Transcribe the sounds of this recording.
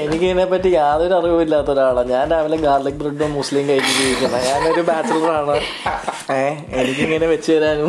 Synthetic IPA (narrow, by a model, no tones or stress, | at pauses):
enikʲːiŋːɐnepːɐtːijaːðo̞ɾuɐriʋumilːaːt̪ːo̞ɾaːɭɐɲaːndaːʋileɡaːlɐk̚breɖomuslimkɐjit͡ɕːit͡ɕeːjikʲːuɳːɐɲaːnoɾubaːt͡ɕːɐlɐraːɳɨ | eː | e̞nikʲːiŋːɐne̞ʋet͡ɕːuʋɐɾaːnu